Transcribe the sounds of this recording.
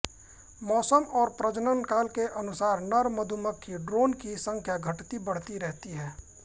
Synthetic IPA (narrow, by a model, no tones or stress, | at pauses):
mɔːsəmɔːɾpɾəd͡ʒnənkaːlkeʔɐnʊsaːɾnəɾməd̪ʱuməkʰːiɖɾoːnkisə̃ŋkʰjaɡʱəʈt̪ibəɽ̤t̪iɾɛɦt̪iɦɛː